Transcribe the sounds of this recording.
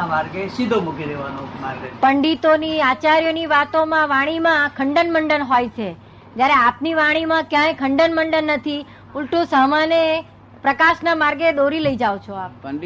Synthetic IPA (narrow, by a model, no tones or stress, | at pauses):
amaɾɡesid̪ʱomukiɾeʋanõmaɾɡpəɳɖit̪oniat͡ʃaɾjoniʋat̪omãʋaɽ̃imãkʰəɳɖənməɳɖənɦojt͡ʃʰe | d͡ʒjaɾeapniʋaɽ̃imãkjãjkʰəɳɖənməɳɖənːət̪ʰi | ʊlʈũsamane | pɾəkaʃnamaɾɡed̪oɾiləid͡ʒaʋot͡ʃʰoap